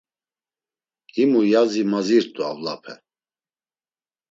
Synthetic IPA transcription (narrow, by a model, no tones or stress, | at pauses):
imujazimaziɾt̪ʼua̰vlapʰɛ